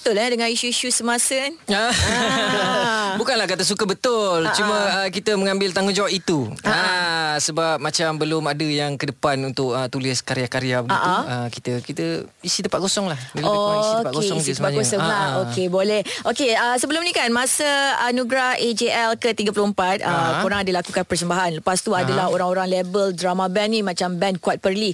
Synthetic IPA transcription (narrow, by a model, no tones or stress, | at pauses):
bbət̪ʊladəŋãniʃuiʃusəmãsəanə | bukanlahkat̪əs̬ukəbət̪ʊlt͡ʃuməəkit̪əməŋãmbɪlt̪aŋund͡ʒawaʔit̪uaasəbap̚mat͡ʃambəlʊmadəjaŋkədəpanunt̪ʊk̚ət̪ulɪskaɾjakaɾjabəɡaiʔaəki̥t̪əkit̪əisit̪əpat̪̚ɡosɔŋlahopakoesit̪əpakosɔlaokebolɛhʔokeəsəbəlʊmnĩkanmasəanuɡɾahʔed͡ʒeʔɛlkət̪iɡapulʊhəmpat̪̚əoɾaŋadəlakukanpərsəmbaɦanləpast̪uadalaɦoɾaŋoɾaŋlebəldɾamabɛnːĩmat͡ʃambɛnkuat̪̚pərli